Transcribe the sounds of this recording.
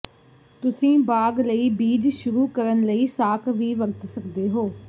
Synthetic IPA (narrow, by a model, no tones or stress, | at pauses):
t̪ʊsĩːbaːɡləiːbiːd͡ʒʃʊɾuːkəɾənləiːsaːkʋiːʋəɾət̪səkd̪eːɦoː